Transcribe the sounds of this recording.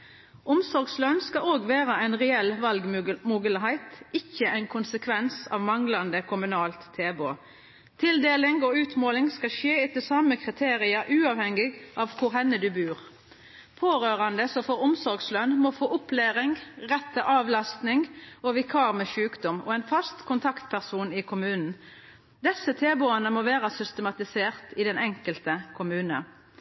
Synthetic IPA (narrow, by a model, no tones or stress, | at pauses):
ʔʊmsɔɾɡslœnskɑoːɡʋæːʁəæɪnʁɛɛlʋɑlɡmuːɡəlɦæɪt̪ɪçːəʔæɪnkʰʊnsəkʰʋɛnsɑ̰ʋmɑŋlɑnd̪əkʰʊmʉnɑːlt̪ʰːeːbo̰ː | t̪ʰɪld̪eːlɪŋoːʉːt̪moːlɪŋskɑʃeːɛt̪əlsɑːməkʰʁɪt̪ʰeːʁɪɑʔʉːɑːʋhɛŋːɪʔɑʋkʰʊɾɦɛnːəd̪ʉbʉːʁ | pʰoːʁøːʁɑnd̪əsɔfɔʁʊmsɔɾɡslœnmɔfoːʔʊpleːʁɪŋʁɛt̪ʰːəʔɑːʋlɑst̪nɪŋɔʋɪkʰɑːʁmɛʃʉːkd̪ɔmɔ̰ɛnfɑst̪kʰʊnt̪ʰɑkt̪pʰæʁsuːnɪkʰʊmʉːnn̩ | d̪ɛsːət̪ʰeːboːənəmoːʋeːʁəsʏst̪əmɑt̪ɪseːʁt̪ɪd̪ɛnɛŋkəlt̪əkʰʊmʉːnə̰